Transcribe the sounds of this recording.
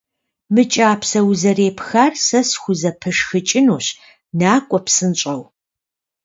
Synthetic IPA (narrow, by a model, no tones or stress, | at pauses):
mɨt͡ʃʼaːpʰsɐwzɐreːpʰxarsɐsxʷʊzɐpʰɨʂxɨt͡ʃʼɪnuːɕ | naːkʷʼɔpsɨnt͡ʃʼɐw